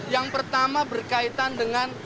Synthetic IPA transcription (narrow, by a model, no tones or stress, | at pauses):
jaŋpərt̪amabərkait̪andəŋan